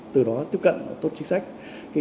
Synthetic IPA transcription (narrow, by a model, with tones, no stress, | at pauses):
t̪ɨ˨˩ɗɔ˨˦t̪i˦˥əp̚kə̰˧˨nə˨˩t̪o˦˥t̚t͡ɕï˨˦ŋ̟sa˦˥jk̟̚ | ka˨˦